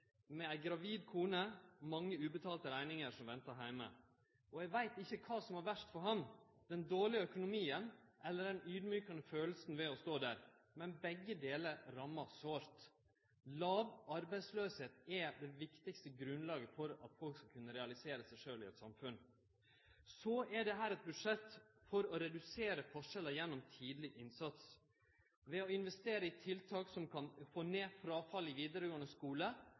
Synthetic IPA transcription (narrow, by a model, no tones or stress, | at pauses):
mɛæɪɡɾɑʋiːd̪kʰuːnəmɑŋːəʉːbət̪ʰɑːlt̪əɾæɪnɪŋəɾʂɔmʋɛnt̪ɑɦæɪmə | ɔɛɡʋæɪt̪ɪçːəkʰɑːsɔmɑɾʋæʂʈ̪fɔɾɦɑm | d̪̥ɛnd̪oːɭɪəœkʊnʊmiːənʔɛlːəɖɛnyːd̪myːkɑnəføːl̩snʋɛɔst̪oːd̪æːɾ | mɛnbɛɡːəd̪eːləɾɾɑmːɑsoːɾt̪ | lɑːʋɑɾbæɪsløːsheːt̪ɛd̪ɛʋɪkt̪ɪkst̪əɡɾʉnlɑːɡəfɔɾɑ̰t̪fɔlkskɑlkʰʉnːəɾɛɑlɪseːɾəsɛɪʂøːlɪɛt̪sɑmfʉn | sɔɛɖɛɦæːɾɛt̪̚bʉd̪ʂɛt̪ːfɔɾɔɾɛd̪ʉseːɾəfɔʂɛləjɛnːɔmt̪ʰiːd̪lɪʔɪnsɑt̪s | ʋɛɔɪnʋɛst̪eːɾəɪt̪ʰɪlt̪ʰɑːksɔmkʰɑnfoːneːfɾɑfɑlːɪʋiːd̪əɾəjuːɳəskuːlə